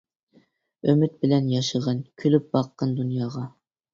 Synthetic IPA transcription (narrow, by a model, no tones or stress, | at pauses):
ømyt̪̚bɪlɛnjɑʃəʁɑnkʲʰylyp̚bɑqːɑnd̪unjɑːʁɑ